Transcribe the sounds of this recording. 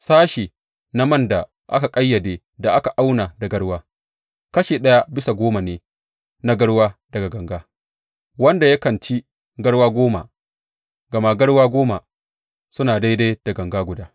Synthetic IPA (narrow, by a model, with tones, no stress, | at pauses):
saː˦ʃiː˨ | na˦mɐ˦nda˨ | ʔa̰˦ka˨kʼɐ˦jːɐ˨deː˨ | da˨ʔa˦ka˨ʔa˦wna˨dɐ˨ɡɐ˦ɽwaː˦ | kɐ˦ʃeː˨ɗɐ˦ja˦bɪ˦sa˨ɡʷoː˦ma˨neː˨ | na˦ɡɐ˦ɽwaː˦dɐ˨ɡa˨ɡɐ˨ŋɡaː˦ | wɐ˦nda˨ja˦kɐ˨nt͡ʃi˦ | ɡɐ˦ɽwaː˦ɡʷoː˦ma̰˨ | ɡɐ˨maː˦ɡɐ˦ɽwaː˦ɡʷoː˦ma˨ | sʊ˦naː˨da˦da˦jd̥ɐ˨ɡɐ˨ŋɡaː˦ɡʷʊ˨daː˦